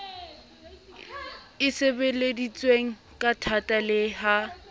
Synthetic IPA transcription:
ɪsebeledit͡sʼweŋ̩ | kʼatʰatʼalɪɦa

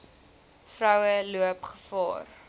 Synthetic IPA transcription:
frɐwəluəpχə̥fɑ̰ːr

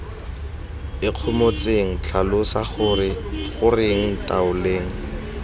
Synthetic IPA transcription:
ɪq͡χʰʊmot͡seŋ̩t͡ɬʰalʊsaχʊrɪχʊrɪŋ̩tʼaʊleːŋ̩

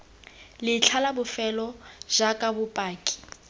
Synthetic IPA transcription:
lɪt͡ɬʰalabʊfɛlɔʒakʼabʊpʼaːkʼi̥

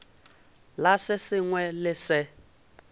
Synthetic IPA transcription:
lasɪsɪŋwɛlɪsɪ

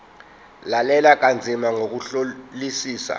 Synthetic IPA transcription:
lalɛlak̬and͡zʱimaŋok̬uɬolisiːsa̰

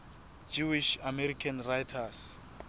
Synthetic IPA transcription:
d͡ʒuwiʃamɛrikʰanrajtʰas

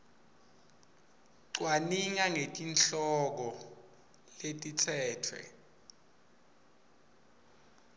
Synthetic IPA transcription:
ǀwaniŋaŋetʼinɬɔk̬ɔ | letʼitʰɛːtʰwɛ̰

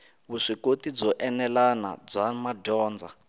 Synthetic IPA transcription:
βuʂikotid͡zɔʔɛnɛlana̰b͡ʐʷamaɟɔːnd͡zʱa

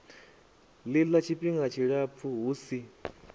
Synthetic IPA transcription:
lilat͡ʃʰipʼiŋɡat͡ʃʰiɺap̪fʰuɦuːsi

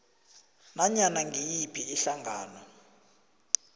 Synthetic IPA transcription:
naɲanaŋʱijipʰiɛɬaŋɡʱaːnɔ

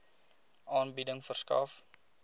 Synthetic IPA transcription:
ʔɑːnbidəŋfərskɑ̰f

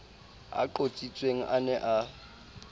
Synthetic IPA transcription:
a̰ǃot͡sʼit͡sʼweŋ̩ʔanɛʔa

